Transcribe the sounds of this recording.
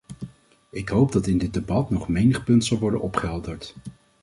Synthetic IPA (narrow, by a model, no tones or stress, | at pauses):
ɪkɦowbdɑtɪndɪd̚debɑtnɔχmejnəχpɵntsɑlˠʋɔɹdə̰nɔpχəɦɛlˠdəɹt